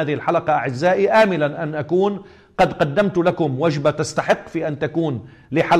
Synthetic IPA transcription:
aːðɪhɪlħalɑqɑʔaʕɪzːaːʔiʔaːmɪlanʔanʔakuːn | qɑd̪qɑd̪ːamt̪lakʊmwad͡ʒbat̪ast̪aħɪqːfiːʔant̪akuːn | lɪħal

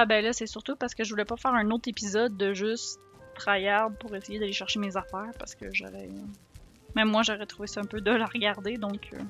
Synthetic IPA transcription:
abɛlʌsɛsyʁt̪upaʁsə̥kəʒəvulɛpɔfɛːʁœ̃not̪χepizɔd̪ːəʒys | t̪χajaʁd̪̚puʁesejed̪aleʃɛʁʃemezafɛːʁpaʁsə̥kəʒɔ̰ʁɛ | mɛ̃mːwaʒɔʁɛt̪χuvesʌɛ̃pød̪əlaʁɡaʁd̪ed̪ɔ̃kʰə̰

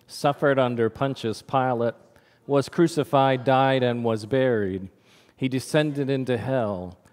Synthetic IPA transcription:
sʌfə˞ɾʌ̃ndə˞pʰʌ̃nt͡ʃɨz̥pʰaɪlˠət̚ | wʌz̥kʰɹ̥ʉsɨfaɪdaɪɾɨ̃nwʌzbɛɹid̥̚ | idɨsɛ̃ndɨɾɪ̃ntʉɦɛlˠ

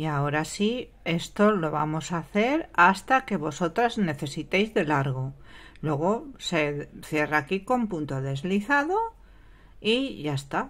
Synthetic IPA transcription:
iao̞ɾasi | e̞st̪o̞lo̞βa̰mo̞saθe̞ɾast̪ake̞βo̞so̞t̪ɾazne̞θe̞sit̪e̞jzðe̞laɾɣo̞ | lwe̞ɣ̞o̞se̞θje̞rakiko̞mpunt̪o̞ðe̞zliθaðo̞ | iʝaest̪a

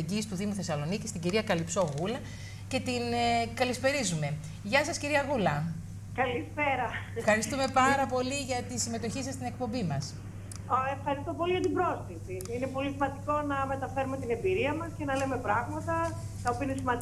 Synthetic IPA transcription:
iɟist̪uðimuθe̞sɐlo̞nicist̪iɟiɾiɐkɐlipso̞ɣulɐ | ce̞t̪inkɐlispe̞ɾizume̞ | ʝɐsɐsciɾiɐɣulɐ | kɐlispeɾɐ | fxɐɾist̪ume̞pɐɾɐpo̞liʝɐt̪isime̞t̪o̞çisɐst̪ine̞k̚po̞mbimɐs | efxɐɾist̪opo̞liʝɐt̪ibɾo̞sθisiine̞po̞lisimɐnd̪iko̞nɐme̞t̪ɐfe̞ɾume̞t̪ine̞mbiɾiɐmɐscenɐle̞me̞pɾɐɣmɐt̪ɐ | t̪ɐopiɐinesimɐ

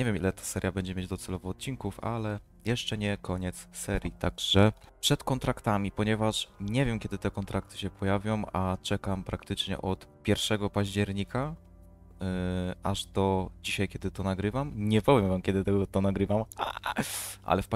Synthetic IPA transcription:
ɲɛvʲjɛmḭlɛt̪ḁsɛɾʲjabɛɲd͡ʑɛmʲjed͡ʑd̪ɔt̪sɛlɔvɔːt̪̚t͡ɕiŋkufa̰lɛ | jɛʂt͡ʂɛɲɛkʰɔɲɛt̪ssɛɾʲjit̪aɡʐɛpʂɛt̪kɔnt̪ɾakt̪amʲipɔɲɛvaʂɲɛvʲjɛmkʲɛd̪ɘt̪ɛkɔnt̪ɾʔak̚t̪ɘ̥ɕɛpʰɔjavʲjɔ̃wat͡ʂɛkampɾakt̪ɘt͡ʂɲɛ̰ʔɔt̪pʲjɛɾfʂɛɡɔpaʑd͡ʑɛɾɲika | ʔaʐd̪ɔd͡ʑiɕajkʲɛd̪ɘt̪ɔnaɡɾɘvamɲɛpɔvʲjɛmvamkʲɛd̪ɘt̪ɛɡɔt̪ɔnaɡɾɘvama̰ | ʔa̰lɛfp

